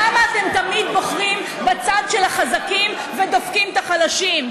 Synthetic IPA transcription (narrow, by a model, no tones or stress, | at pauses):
amaːt̪e̞mt̪amid̪bo̞χʁim | bat͡sad̪ʃelaχazakim | ved̪ofkimt̪aχalaʃim